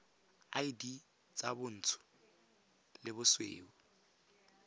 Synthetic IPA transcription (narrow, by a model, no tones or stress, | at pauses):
ajdi | t͡sʼabʊn̩ːtʰʊ̥ | lɪbʊswḛːʊ